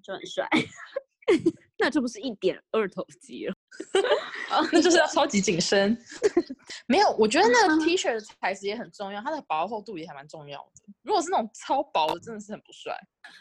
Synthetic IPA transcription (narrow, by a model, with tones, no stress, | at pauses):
t͡ɕo˥˩xə̰˨˩nswa̰˥˩ɪ | na˥˧ʈ͡ʂɤ˥˩p̬u˧˥ʂɻ̩˥˩i˥˩t̪jɛ̰˨˩nə˥˩t̪ʰo˨˩ʊt͡ɕḭ˧˥lə˩˧˩ | a˥˩t͡ɕo˥˧ʊʂɻ̩˥˧jɑ˥˩ʊt͡sʰɑ˥ʊt͡ɕi˨˥t͡ɕi˨˩ŋʂə˦˥n | me˧˥ɪjo˨˩ʊwɔ˨˩t͡ɕɥɛ˧˥d̪ə˧na˥˩ɡə˩t̪ʰi˥ʂə˥˩d̪ə˧t͡sʰa˧˥ɪsɹ̩˧˥jɛ˧˥xə˨˩nʈ͡ʂʊ˥˧ŋjɑ˥˩ʊa˥d̪ə˨˩pɑ˧˥ʊxo˥˧ʊt̪u˥˧˨jɛ˧˥xə˨˩nma˧˦nʈ͡ʂʊ˥˧ŋjɑ̰˥˩ʊd̪̥ə˩ɻu˧˥kwɔ˨˩ʂ̬̩˥na˥˩ʊ˨˩ŋt͡sʰɑ˥ʊpɑ˨˥ʊd̪ə˨ʈ͡ʂə˥nd̪ə˩ʂɻ̩˥˩xə˨˩pu̥˧˦swa̰˥˩ɪ